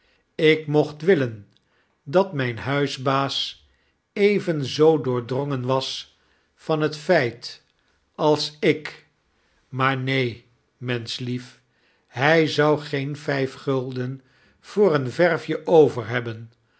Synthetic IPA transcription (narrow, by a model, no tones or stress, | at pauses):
ɪkmɔχtʋɪlən | dɑtmɛjnɦœɥzbaːs | ejvənzowdʊːɹdrɔŋənʋɑs | fɑnɦətfɛjt | ɑlˠsɪk | maːɹnej | mɛnslif | ɦɛjzɑwχenfɛjfχɵlˠdən | v̥ʊːɾənvɛɹfjəʔowvəɹɦɛbən